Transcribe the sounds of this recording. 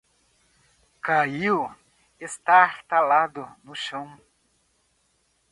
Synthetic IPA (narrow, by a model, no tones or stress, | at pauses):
kaiw | est̪aɾt̪alad̪ʊnʊʃɐ̃w̃